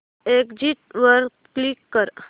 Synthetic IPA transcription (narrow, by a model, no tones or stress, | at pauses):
eːkd͡ʒiʈ̚ʋəɾɡ | klikːəɾ